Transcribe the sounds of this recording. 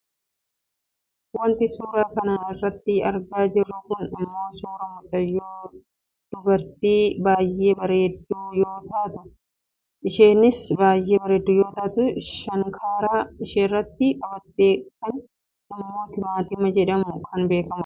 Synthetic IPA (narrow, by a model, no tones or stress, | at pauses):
wɐnt̪ɪsuːɾaːkɐnaːnɪrːɐt̪ːɪɐɾɡaːd͡ʒɪrːʊkʊnɪmːo̞ːsuːɾɐmʊt̪ʼɐjoː | d̪̥ʊbɐɾt̪iːbaːjʔe̞ːbɐɾeːd̪ːuːjo̞ːt̪aːt̪ɐ | ʔɪʃeːnɪsbaːjʔeːbɐɾeːd̪ːuːjo̞ːt̪aːt̪ʊʃɐŋkʰaːɾaːɪʃeːrːɐt̪ːɪkɐbɐt̪ːe̞ːkt̪ɐn | ɪmːo̞ːt̪ɪmaːt̪ɪmɐd͡ʒɛᶑɐmʊkʰɐnbe̞ːkɐmɐ